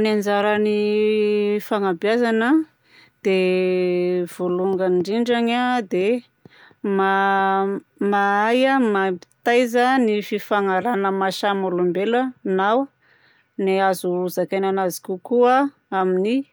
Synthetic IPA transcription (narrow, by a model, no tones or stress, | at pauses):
nand͡zaɾəni | faŋabjazanə | d̪̥e | v̥oluŋɡənɳɖ͡ʐiɳɖ͡ʐaɲad̪e | ma | maajamapi̥t̪ajzənififaŋaɾanəmaʃamolumbelənaw | neazuɾuzakananazi̥kʲukua | amini